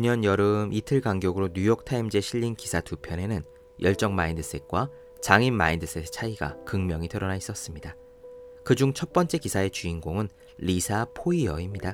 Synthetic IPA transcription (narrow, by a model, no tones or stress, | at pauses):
kuɲʌnjʌɾɯmʔitʰɯɭɡaŋɡjʌɡɯɾoɲujok̚tʰaimd͡ʑe̞ɕʰiʎːinkisʰatupʰjʌne̞nɯn | jʔʌɭt͡ɕ͈ʌŋmaindɯs͈ʰe̞k̚k͈wa | t͡ɕaŋinmaindɯs͈ʰet͡ɕʰaiɡa̰kɯŋmjʌŋitʰɯɾʌnais͈ʌs͈ɯmɲida | kɯd͡ʑuŋt͡ɕʰʌt̚p͈ʌnt͡ɕ͈e̞kisʰae̞t͡ɕuinɡoŋɯn | lisʰapʰoiʌimɲida